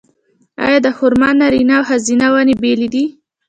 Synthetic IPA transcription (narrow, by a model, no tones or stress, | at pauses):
ɑ̰jɑd̪əhʊɾmɑnnːaɾinawhazinawɑnebelid̪i